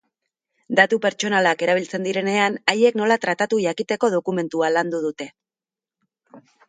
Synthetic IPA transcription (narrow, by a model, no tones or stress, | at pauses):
d̪at̪upe̞ɾt͡ʃo̞nalake̞ɾaβ̞ilt͡se̞nd̪iɾe̞ne̞anaje̞kno̞lat̪ɾat̪at̪uʝakit̪e̞ko̞ð̞o̞kume̞nt̪ualand̪uð̞ut̪e̞